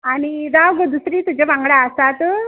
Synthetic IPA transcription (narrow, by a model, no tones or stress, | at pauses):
añiɾaʋɡəd̪usɾiːt̪ud͡ʑeʋãŋɡɽaəsat̪